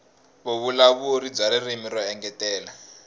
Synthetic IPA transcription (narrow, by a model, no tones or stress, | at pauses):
βoβulaβuoɾid͡zaɾirimiɾɔɛŋɡɛtɛːla